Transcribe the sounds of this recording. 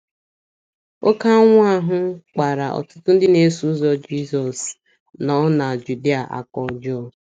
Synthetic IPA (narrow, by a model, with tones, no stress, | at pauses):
o˦ka˦ŋʷ˦a˦ɦʊ˦k͡pa˨ɾa˨ɔ̰˨tʊ˦tʊ˦n̩˦dɪ˦ne˨˦su˨˦zɔ˦d͡ʒi˦sɔ˨s | nɔ˦na˨d͡ʒu˨di˦a˨ʔa̰˨kɔ˨˦d͡ʒɔ˦